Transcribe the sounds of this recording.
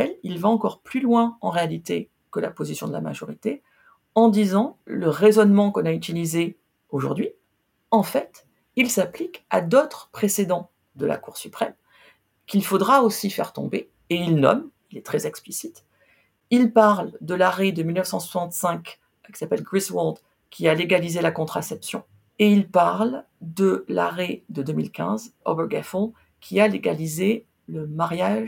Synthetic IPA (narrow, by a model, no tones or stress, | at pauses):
ɛlilvaɑ̃kɔʁplylwɛ̃ɑ̃ʁealit̪e | kəla̰pozisjɔ̃d̪əla̰ma̰ʒɔʁit̪e | ɑ̃d̪izɑ̃ləʁezɔnmɑ̃kɔ̃nayt̪ilize | oʒuʁd̪ɥi | ɑ̃fɛt̪ | ilsaplika̰d̪ot̪χəpχesed̪ɑ̃ | d̪əla̰kuʁsypχɛm | kʲilfod̪ʁaosifɛ̰ʁt̪ɔ̰̃be | eilnɔ̰milɛt̪χɛzɛksplisit̪ | ilpaʁld̪əlaʁed̪əmilnəfsɑ̃swasɑ̃t̪sɛ̃k | kʲi̥sapɛlɡʁiswɔld̪ | kʲʰialeɡalizelakɔ̃t̪χasɛpsjɔ̃ | eilpaʁl | d̪əla̰ʁed̪əd̪ømilkʲɛ̰̃zo̰bɛɡafɔ̃ | kʲʰialeɡalize | ləmaʁjaʒ